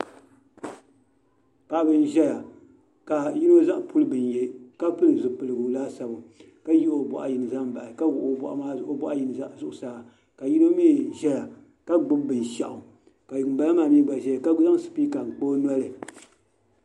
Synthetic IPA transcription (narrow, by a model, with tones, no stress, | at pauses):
pa˨ʔbɨ˦n˦ʒɛ˦ja˨ | ka˨ji˦no˦za˦ʔpu˦lɨ˦bɨ˨nje˦ka˦pɨ˦lɨ˨zʊ˨pɨ˨lɨ˨ɡu˨laː˦sa˨bʊ˨ | ka˦ji˦ʔo˨bɔ̰˨ʔa̰˨ji˨nɨ˨za˦mba˨ʔɪ˨ka˦ɡʊ˨ʔo˨bɔ̰˨ʔa̰˨ma˦˨ʔo˦bɔ˦ʔa˦ji˨n˨˦zʊ˨ʔʊ˨saː˨ | ka˨ji˦no˦mi˦˨ʒɛ˦ja˨ | ka˦ɡ͡bʊ˦bbɨ˨n˨ʃa̰˨ʔʊ˨ | ka˨jba˦la˦maː˨mi˦ɡ͡ba˨ʒɛ˦˨ka˦za˦ŋ˦sɨ̥˨piː˦ka˨ŋ͡m̩˨k͡po˦na˦lɨ˨